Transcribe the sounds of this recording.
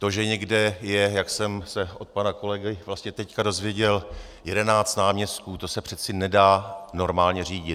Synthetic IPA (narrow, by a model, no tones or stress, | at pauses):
t̪o̞ʒɛɲɛɡdɛjɛjaksɛmsɛʔo̞t̪̚panako̞lɛɡɪvlast̪ɲɛt̪ɛckado̞zvjɛɟɛl | jɛdɛnaːt͡st̪naːmɲɛst̪̚kuːt̪o̞sɛpr̥ɛt͡sɪnɛdaːno̞ɾmaːlɲɛriːɟɪ